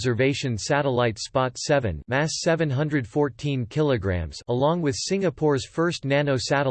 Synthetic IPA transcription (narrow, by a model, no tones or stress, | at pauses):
zə˞veɪʃɨ̃nsæɾəlaɪtspɑtsɛvɨ̰̃nmæsɛvɨ̃nɦʌ̃ndɹɨd̥fɔɹtʰĩnkʰɪlˠəɡɹæ̰̃mz̥əlɔ̃ŋwɨð̥sɪ̃ŋɨpʰɔɹz̥fɜ˞stnænoʊsæɾə